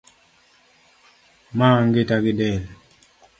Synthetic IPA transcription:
maːŋɡitakidɛl

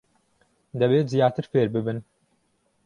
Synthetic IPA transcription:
d̪ɛbeːt̪zijɑːt̪ɨɾfeːɾbɨbɨn

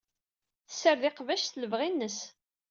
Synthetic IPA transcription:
θəsəɾðɪqvæʃθləvʁinːəs

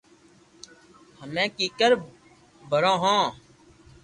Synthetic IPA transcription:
həmẽːkiːkəɾ | bʱəɾãːɦãː

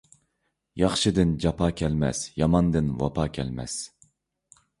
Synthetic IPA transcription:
jɑχʃɨd̪ɨnd͡ʒɑpʰɑːkʲʰɛlmɛ̰sjɑmɑnd̪ɨnwɑ̰pʰɑːkʲʰɛlmɛ̰s

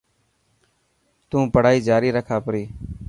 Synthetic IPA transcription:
t̪ũːpəɽ̤aːiːd͡ʒaːɾiːɾəkʰaːpəɾiː

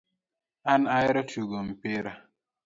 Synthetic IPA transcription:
anajɾɔtuɡom̩peɾa

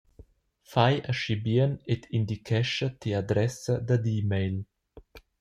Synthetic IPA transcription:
fajʔaʃibiənet̪ʰind̪ikʰɛʃat̪iad̪ɾɛsad̪ad̪imejl

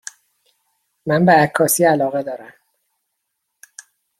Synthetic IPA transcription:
mænbeækʰːɒːsiːælɒːɣe̞d̪ɒːɾæm

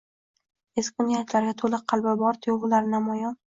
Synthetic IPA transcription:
eskʲʊnijat̪ʰlaɾɡʲat̪ʰolɪqqʰːɑlˠbabɒɾt̪ʰɪjolʊlaɾnamɒjɒn

